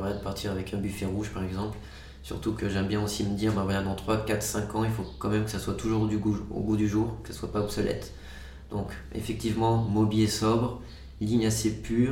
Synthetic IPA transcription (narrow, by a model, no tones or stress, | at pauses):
vʁɛd̪əpaʁt̪ʰiʁavɛkɛ̃byfɛʁuʒpaʁɛɡzɑ̃pl | sy̰ʁt̪ukəʒɛmbjɛ̃osiməd̪iʁbɛ̃vwalad̪ɑ̃t̪χwakat̪χsɛ̃kɑ̃ilfokɑ̃mɛmkə̥saswat̪uʒuʁd̪yɡuo̰ɡud̪yʒuːʁkə̥saswapaɔbsɔlʔɛ̰t̪ | d̪̥ɔ̃k | ḛfɛk̚t̪ivmɑ̃mɔbiɛsɔbʁ | liɲasepyːʁ